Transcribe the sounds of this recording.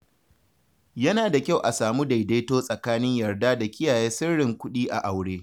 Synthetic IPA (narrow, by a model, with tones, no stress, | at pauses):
jɐ˦naː˨da˨kʲa˦˨wʔa˨saː˨mu˦da˨jda˦toː˦sʼɐ˨kaː˦nɪ˦ɲjɐ˨rdaː˦da˨kʲɪ˦jaː˨jeː˦sɪ˦rːɪ˨ŋkʷʊ˦ɗiː˦ʔa̰˨ʔa˨wɽeː˦